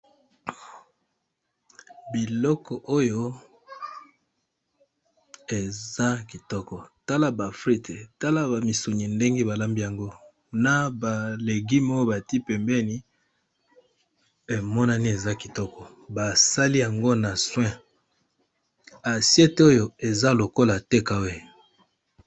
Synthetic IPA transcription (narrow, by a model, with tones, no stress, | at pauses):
bi˨lɔ˦kɔ˨ʔo˦jo˦ | e˨za˦ki˨tɔ˦kɔ˨ta˦la˦ba˨fʁi˦te˨ta˦la˦ba˨mi˨su˨ɲi˨nde˦ŋɡe˦ba˨la˦mbi˦ja˨ŋɡo˦ | na˨ba˨le˨ɡi˦mo˦jo˦ba˨ti˦pɛ˨mbɛ˦ni˦ | e˨mɔ˦na˦ni˦e˨za˦ki˨tɔ˦kɔ˨ | ba˨sa˦li˦ja˨ŋɡo˦na˨swɛ̃˦ | a˨sjɛ˦to˦jo˨e˨za˦lo˨ko˦la˨te˦ka˨we˦